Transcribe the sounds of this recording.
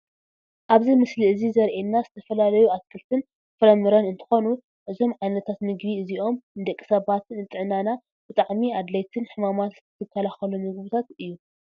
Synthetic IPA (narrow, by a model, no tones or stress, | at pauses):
ʔaβzimɨsliɨzizɐɾʔenːazɨt̪ʰɐfɐlalɐjuʔakʰːɨlt̪ʰɨn | fɨɾɐmɨɾɐnɨnt̪ʰɨ̥xo̞nu | ʔɨzo̞mʕajnɐt̪ʰat̪mɨɡbiɨziʔo̞mnd̪ɐkʼːi̥sɐβat̪ɨnɨt̪ʼɨʕnana | b̥ɨt̪ʼaʕmiad̪lɐjt̪ʰɨnħɨmamat̪zɨ̥t̪ʰɨt̪ʰɨkʰːɐlaxɐlumɨɡβut̪ʰat̪ɨjːu